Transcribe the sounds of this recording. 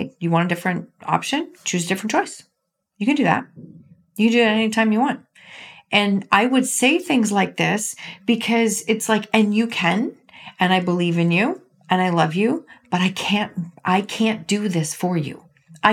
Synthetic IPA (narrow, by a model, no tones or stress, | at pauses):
jɨwɑ̃ñɨdɪfɹɨ̃nt̚ɑ̰pʃɨ̃nt͡ʃʰʉzɨdɪfɹɨ̃n̩t͡ʃʰɔɪs | jɨkɨ̃ndɨðæ̰t̚ | jɨkɨ̃n̩dɨðæɾɛnitʰãɪ̃mjɨwɑ̃nt̚ | ʔɨ̃nʔaɪwɨd̥seɪθɪ̃ŋzlaɪk̚ðɪsb̥ɨkʰʌzɨtslaɪkɨ̃njɨkʰɨ̃n | ɨ̃ñaɪbəlivɨ̃njʉ | ʔɨ̃naɪlʌvjʉb̥ʌɾaɪkʰæ̃ntʔaɪkʰæ̃nd̥ɨðɪsfə˞jʉ̰ | ʔaɪ